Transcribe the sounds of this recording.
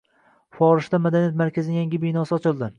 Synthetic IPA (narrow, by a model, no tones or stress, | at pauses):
fɒɾɪʃt̪amad̪anijat̪maɾkʲʰazɪnɪjaŋʲɪbijnɒsɪɒt͡ʃʰɪlˠd̪ɪ